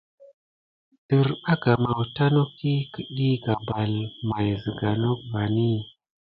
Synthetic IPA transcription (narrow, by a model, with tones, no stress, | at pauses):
tə˨ɾɓa˦ɡa˨ma˨wta˦no˦ki˦ki˨ɗi˦ɡa˨ba˨lma˨jzə˨ɡa˨no˦k̚va˨ni˦